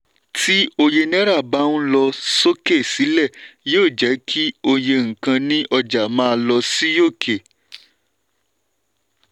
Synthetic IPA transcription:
ti˦o˧je˧nɛ̃˦ɾa˦˨ba˦ũ˦lɔ˧so˦ke˦˨si˨˦lɛ˦˨joː˦˨d͡ʒɛ˨˦kʰi˦o˧je˧ŋ̩̃˨kã˧nĩ˦ʔɔ˧d͡ʒa˨mãː˦˧lɔ˧si˦jo˦˨kʰe˨

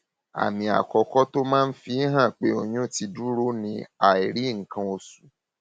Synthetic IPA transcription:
a̰˨mĩ˨a̰˨kɔ˧kɔ˦to˦mãː˦n̩˦fi˦ɦã˦˨k͡pe˦o˨ɲũ˦˨ti˧du˦ɾo˦nĩ˧a˨i˨ɾi˨˦ŋ̩˨kã˧o˧su˨˦

